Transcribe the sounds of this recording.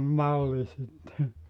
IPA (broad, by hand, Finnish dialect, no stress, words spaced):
mɑlːi sitːe